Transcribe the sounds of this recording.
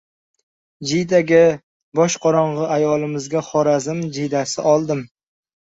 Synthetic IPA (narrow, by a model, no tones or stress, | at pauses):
d͡ʒɪjd̪aɡʲɪ | bɒʃqʰɒɾɒɴʁɨajɒlˠɪmɪzɡʲaχɒɾazɪmd͡ʒijd̪asɪ̰ʔɒlˠd̪ɪm